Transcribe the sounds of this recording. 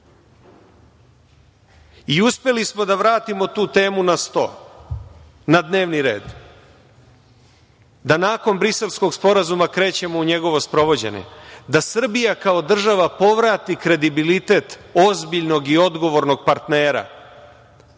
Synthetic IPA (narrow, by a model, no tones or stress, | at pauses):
iuspe̞lismo̞d̪aʋɾaːt̪imo̞t̪uːt̪e̞ːmunast̪o̰ | nad̪ne̞ːʋniɾe̞̰ːd̪ | d̪anaːko̞nbɾise̞lsko̞ɡspo̞ɾazumakɾe̞ːt͡ɕe̞mo̞uɲe̞ɡo̞ʋo̞spɾo̞ʋo̞d͡ʑe̞̰ɲḛd̪asr̩bijakao̞d̪r̩ʒaʋapo̞ʋɾaːt̪ikɾe̞d̪ibilit̪e̞t̪o̞zbiʎno̞ɡio̞d̪ɡo̞ʋo̞ɾnoɡ̚paɾt̪ne̞ːɾa̰